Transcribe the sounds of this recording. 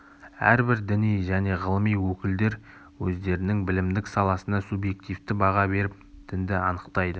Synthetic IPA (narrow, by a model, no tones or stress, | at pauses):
æ̰ɾbɪɾd̪ɪnijʒæne̞ʁəlˠəmijwɵkʲɪld̪e̞ɾ | wɵzd̪e̞ɾɪnɪŋbɪlɪmd̪ɪksɑlˠɑsənɑsubje̞k̚t̪ijft̪ɪbɑʁɑbe̞ɾɪp̚t̪ʰɪnd̪ɪɑnəqt̪ɑjd̪ə